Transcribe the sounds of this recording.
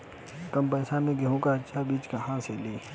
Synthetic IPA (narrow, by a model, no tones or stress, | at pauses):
kəmpɛːsãmẽɡəɦõkaətːʃʰabiːt͡ʃkɐɦãseːliː